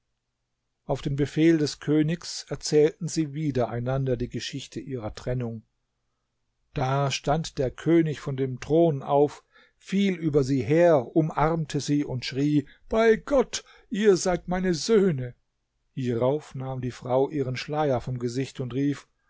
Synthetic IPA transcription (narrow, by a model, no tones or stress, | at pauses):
ʔaʊfd̥eːmbəfeːldɛskʰøːnɪçsɛɐt͡sɛːltn̩ziːviːdɐʔaɪnandɐdiːɡəʃɪçtʰəʔiːʁɐtʁ̥ɛnʊŋ | d̥aːʃtantd̥eːɐkʰøːnɪçfɔndeːmtʁ̥oːnʔaʊf | fiːlʔyːbɐziːɦeːɐʔʊmʔaʁɐmtʰəziːʊntʃʁ̥iː | b̥aɪɡ̥ɔt | ʔiːɐzaɪtmaɪnəzøːnə | hiːʁaʊfnaːmdiːfʁ̥aʊʔiːʁ̞ənʃlaɪɐfɔmɡəzɪçtʊntʁiːf